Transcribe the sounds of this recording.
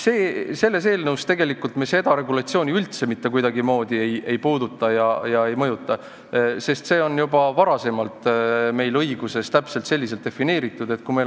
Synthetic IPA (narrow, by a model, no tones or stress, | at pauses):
se̞ːse̞lːe̞s̬e̞ːlnɤwst̪e̞ɡe̞likːˑult̪mese̞d̪̥ɑɾe̞ɡulɑt̪sioːnʲiylt̪se̞mit̪ːe̞kujd̪ɑɡimo̞ːd̪̥ie̞jʔe̞jpuːd̪ut̪ˑːɑjɑjɑe̞jmɤjut̪ːˑɑ | se̞st̪se̞ːo̞njubɑvɑɾɑse̞mɑlt̪me̞jlɤjɡ̥use̞st̪æpse̞lt̪se̞lʲːis̬elt̪̚d̪e̞fine̞ːɾit̪ːˑud̪e̞t̪̚kujme